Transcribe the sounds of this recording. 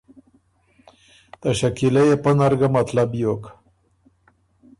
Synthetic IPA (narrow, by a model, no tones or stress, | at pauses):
t̪aʃakilajepənaɾɡamat̪labjok